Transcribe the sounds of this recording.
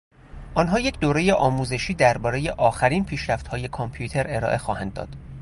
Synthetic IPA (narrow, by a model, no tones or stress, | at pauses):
ʔɒːnɦɒːje̞cʰd̪oːɾe̞jeʔɒːmuːze̞ʃiːd̪æɾbɒːɾe̞je̞ʔɒːxæɾiːnpʰiːʃɾæft̪hɒːje̞kʰompʰjut̪ʰe̞ɾe̞ɾɒ̰ːʔe̞xɒːhænd̪ːɒ̰ːd̪̥